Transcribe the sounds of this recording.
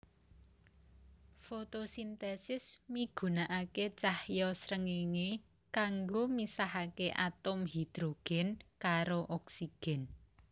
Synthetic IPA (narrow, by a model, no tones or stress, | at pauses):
fot̪osint̪ɛsɪsmiɡ̥ṳnaʔaket͡ʃahjɔsɾəŋiŋe | kaŋɡomisaɦakeʔat̪ʊmɦid̪̥ɾoɡ̥ɛ̤nkaɾoʔɔksiɡ̥ɛ̤n